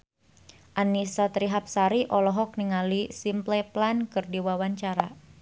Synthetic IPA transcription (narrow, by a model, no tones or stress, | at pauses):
ʔanisat̪ɾiɦap̚saɾiʔɔlɔɦɔk̚niŋalisimplɛplankɨrdiwawaɲt͡ʃaɾa